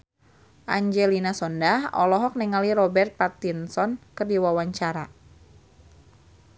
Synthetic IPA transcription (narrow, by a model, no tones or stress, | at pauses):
ʔaɲd͡ʒɛlinasɔndahɔ̰lɔɦɔk̚niŋaliɾɔbɛrt̪̚pat̪insɔnkɨrdiwawaɲt͡ʃaɾa